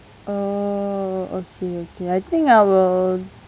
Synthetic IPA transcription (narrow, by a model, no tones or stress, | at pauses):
o | okʰeoːkeaɪt̪ʰɪ̃ŋkawə